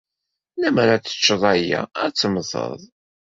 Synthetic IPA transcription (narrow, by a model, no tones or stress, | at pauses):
næməɾat͡sːə̥t͡ʃːəðˤæjæ̰t͡sːəmθə̰ðˤ